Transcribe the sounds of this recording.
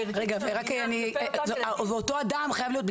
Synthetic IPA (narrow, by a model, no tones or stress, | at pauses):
ʁeɡaveʁakani | veoto̞adamχajavlijot̪̚b